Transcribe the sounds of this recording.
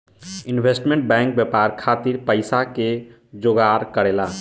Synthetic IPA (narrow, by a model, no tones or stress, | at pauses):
inbʱesʈmẽɳʈ̚bɛŋk̚bjɛpaɾkʰat̪iɾpəɪsake | d͡ʒoɡaɾkəɾela